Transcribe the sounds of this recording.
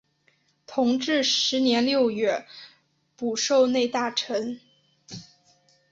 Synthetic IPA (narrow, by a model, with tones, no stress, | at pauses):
t̪ʰʊ˧˥ŋʈ͡ʂɻ̩˥˩ʂɻ̩˧˥njɛ˧˥nljo˥˧ʊɥɛ˥˩ | pu˨˩ʂo˥˧ʊne˥˧ɪt̪a˥˩ʈ͡ʂʰə˧˥n